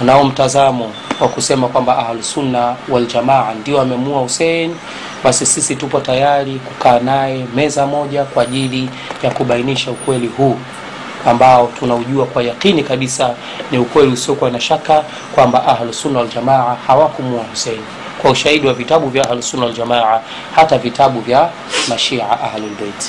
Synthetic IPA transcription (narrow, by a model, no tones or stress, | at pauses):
naɔm̩tazamɔ | wakusɛmakwambaʔahlusunːawald͡ʒamaʕandiɔamɛmuahusɛni | ɓasisisitupɔtajaɾikukaːnajɛmɛzamɔʄakwaːʄili | jakuɓainiʃaukwɛliɦuː | ambaɔtunauʄuakwajaqinikaɓisa | niukwɛliusiɔkuwanaʃaka | kwambaʔaɦlusunːawald͡ʒamaʕahawakumuahusɛni | kwauʃahiɗiwavitaɓuvjaahlusunaald͡ʒamaʕa | hatavitaɓuvja | maʃiʕa̰ʔahlulbɛit